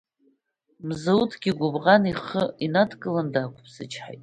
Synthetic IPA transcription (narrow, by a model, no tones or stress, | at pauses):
mzautʰɡʲiɡʷʊbʁaniχəinadʰkʼɨlandakʷʰʼpʰsɨt͡ʃʰʼħa̰jtʼ